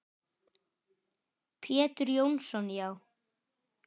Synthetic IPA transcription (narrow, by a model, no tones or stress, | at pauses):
pʰjɛːt̪ʏɾjownsɔnjaːw